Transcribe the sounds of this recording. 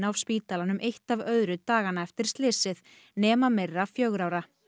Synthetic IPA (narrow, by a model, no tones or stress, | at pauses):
nawspiːt̪alanʏmʔejht̪avœðɾʏt̪aːɣanaɛft̪ɪɾ̥st̪lɪsːɪð | nɛːmamɛrːafjœɣɾawɾa